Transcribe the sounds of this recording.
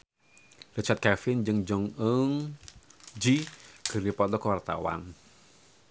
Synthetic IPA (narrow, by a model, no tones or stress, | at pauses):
rət͡ʃat̪̚kɛfɪnd͡ʒɨŋd͡ʒɔŋəŋ | d͡ʒiɡ̥ərdipɔd̪ɔkəwart̪a̰wa̰n